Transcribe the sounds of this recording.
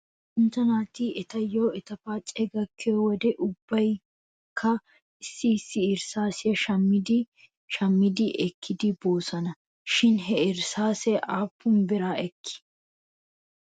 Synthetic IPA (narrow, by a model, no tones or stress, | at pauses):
ʔɪnt̪ɐnaːt̪iɛt̪ɐjoːɛt̪ɐfaːt͡ʃʼɛɡɐkʰːɛjɔwɔd̪ɛʔʊbːɐj | kʰːɐ | ɪsːɪːsːɪːɾsaːsɪjɐʃɐmːɪd̪ɪ | ʃɐmːɪd̪ɪʔɛkʰːɪd̪ɪbo̞ːsɐnɐ | ʃɪnɦɛɪɾsaːsɛʔaːpːʊmbɪɾaːʔɛkːɪ̥